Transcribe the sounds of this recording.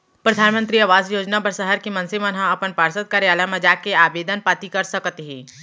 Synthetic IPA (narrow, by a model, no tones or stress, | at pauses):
pɾɐd̪ʱaːnmə̃nt̪ɾiɐʋaːzjoːd͡ʒnapɐɾsɐɦəɾkimɐ̃nsemɐnɦãɐpənpaːɾsət̪̚kaːɾjaːlamɐd͡ʒaːkeaːbeːd̪ʱənpaːt̪ikɐɾsɐkt̪ɦĩː